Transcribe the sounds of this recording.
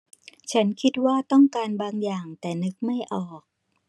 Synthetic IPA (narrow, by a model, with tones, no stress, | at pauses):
t͡ɕʰa˦˥nkʰi˦˥t̪̚waː˥˩t̪ɔ˥˩ŋkaː˧nbaː˧ŋjaː˨˩ŋt̪ɛː˨˩nɯ˦˥k̚ma˥˩jʔɔː˨˩k̚